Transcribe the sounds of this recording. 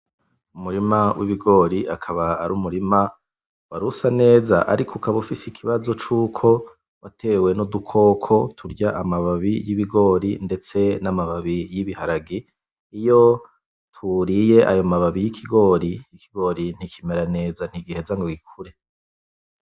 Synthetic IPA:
umuɾimawʔiβiɡo̞ːɾiakʰaβaːɾuːmuɾima | waɾusane̞ːzaʔa̰ɾikʰukʰaβufisikʰiβazo̞t͡ʃuːkʰo̞ | βatʰe̞ːwe̞nodukʰo̞ːkʰo̞tʰuɾɟaʔamaβaβijiβiɡo̞ːɾinde̞t͡se̞namaβaβijiβihaɾaɡi | ijo̞ | tʰuɾije̞ʔajo̞maβaβijikʰiɡo̞ːɾiikʰiɡo̞ːɾin̥ikime̞ɾane̞ːzan̥iɡihezaŋɡoɡikʰuɾe̞

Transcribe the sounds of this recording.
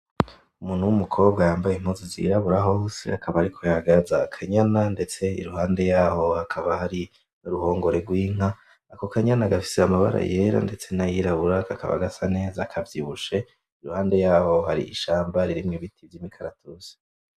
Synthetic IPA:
umuːn̥uwumukʰo̞ːbɡajaːmbajim̥huzizḭɾaβuɾaɦo̞ːse̞̰akʰaβaɾikʰojaɡazakʰaɲanande̞t͡se̞ḭɾuhaːnde̞jaːho̞hakʰaβahaɾi | nuɾuho̞ːŋɡo̞ɾe̞ɡwiːŋ̥a | ako̞kʰaɲanaɡafi̥seamaβa̰ɾa̰je̞ɾa̰nde̞t͡se̞najiɾaβuɾakakʰa̰βa̰ɡasane̞ːzakʰavjiβuʃe̞ | iɾuhaːnde̞jaːho̞haɾḭʔḭʃaːmbaɾiɾimŋeβitivjimikʰaɾatʰuse̥

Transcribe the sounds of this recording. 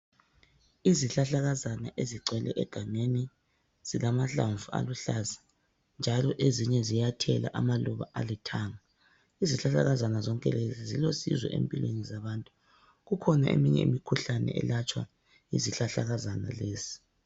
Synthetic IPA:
iziɬaɬaɣazanaʔeziǀɛlɛʔɛɡ̥ʱaŋeni | z̥ilamaɬaɱvua̰luɬazḁ | nd͡ʒʱalɔʔeziɲɛzijatʰɛla̰ʔamaluβa̰ʔalɛtʰaːŋa | iziɬaɬaɣazanazɔŋkʼɛlezizilosḭzwɛ̰ʔḛmpʼilwḛnizaβaːntʼu̥ | ɣukʰɔnaʔemiɲɛ̰ḭmikʰuɬanɛ̰ɛ̰lat͡ʃʼwa̰ | ḭziɬaɬaɣazana̰leːzi̥

